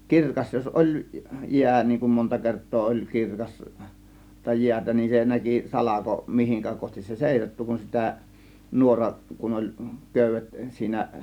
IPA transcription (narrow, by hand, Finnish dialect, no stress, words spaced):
kirkɑs jos ʔolʲ jiæ niːŋ kum montɑ kertˑoː olʲ kirkɑs tɑ jiætæ nin se næki sɑlɑko mihiŋkæ kohtis se seˑisɑtːu kun sitæ nuorɑʔ kun olʲ køˑy̆ʋet siːnæ